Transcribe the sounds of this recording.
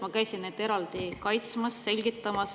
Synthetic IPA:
mɑkæjsinːet̪e̞ɾɑld̪̥ikɑjt̪smɑsːe̞lʲɡit̪ːˑɑmɑs

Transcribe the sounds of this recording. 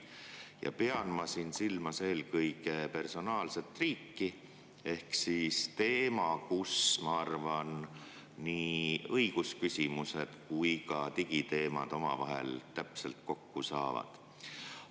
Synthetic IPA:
jɑ̰pe̞ɑnmɑsinsilmɑse̞ːlkɤjkepe̞rso̞nɑːlse̞t̪ːˑriːkːi | e̞hksist̪e̞ːmɑkusmɑɑrvɑnː | iːɤjɡ̥uskysʲimuse̞d̪̥kujkɑt̪iɡ̥it̪e̞ːmɑ̰d̪̥o̞mɑ̰vɑɦḛlt̪æpse̞̰lt̪̚ko̞kːusɑːvɑ̰d̪̥

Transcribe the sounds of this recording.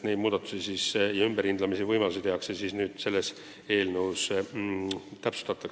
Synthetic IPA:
ne̞jd̪̥muːd̪̥ɑt̪ːˑu̥sisisjɑymbeɾind̪lɑmisivɤjmɑlusit̪eɦɑksesiːsnyːd̪̥se̞lːes | e̞ːlnəws | t̪æpsu̥st̪ɑt̪ːˑɑk

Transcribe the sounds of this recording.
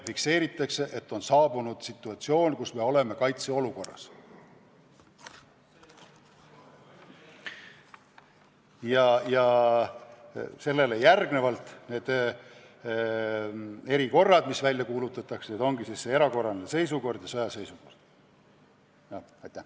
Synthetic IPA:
fikse̞ːɾit̪ːˑɑkseʔet̪ːo̞nsɑːb̥unud̪̥sit̪ːˑuɑt̪sio̞ːnkusme̞o̞le̞me̞kɑjt̪seo̞luko̞rːɑ̰s | jɑjɑ | se̞lːe̞lejærɡ̥ne̞vɑlt̪ˑne̞ːd̪̥ | e̞ɾiko̞rːɑd̪̥misvælʲjɑkuːlut̪ːˑɑt̪ːˑɑkseed̪o̞ŋɡisisːee̞ɾɑko̞rɑnese̞js̬uko̞rd̪̥jɑsojɑse̞jsuko̞̰rd̪̥ | jɑ | ɑjt̪ːˑæ

